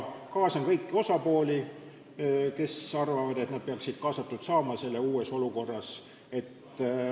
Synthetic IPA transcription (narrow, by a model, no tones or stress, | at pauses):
kɑːsɑmkɤjkːio̞sɑpo̞ːlʲi | ke̞sɑrvɑvɑd̪e̞t̪nɑd̪̚peɑksid̪̥kɑːsɑt̪ːˑud̪̥sɑːmɑse̞lːeuːe̞so̞luko̞rːɑs | e̞t̪ː